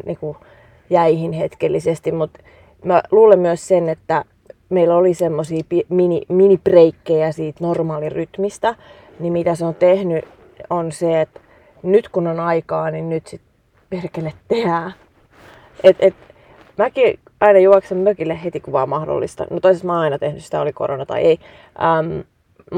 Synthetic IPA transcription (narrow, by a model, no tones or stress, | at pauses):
nḭku | jæihinhet̪kelːisest̪immut̪ | mæluːlemmyøssenet̪ːæ | meilolisemːosiːpiminiminipreikːejæsiːt̪normɑːliryt̪mist̪æ | nimit̪æseont̪ehny | onseet̪ | nyt̪kunonɑikɑːninnyt̪sit̪ | perkelet̪teæː | ʔet̪et̪ | mæki | ɑinɑjuɑksemmøkilːehhet̪ikuʋɑːmmɑhdo̰lːḭst̪ɑ̰nut̪oisesmɑːɑinɑt̪ehnysit̪æoliko̰ronɑt̪ɑ̰ḭei | ʔəm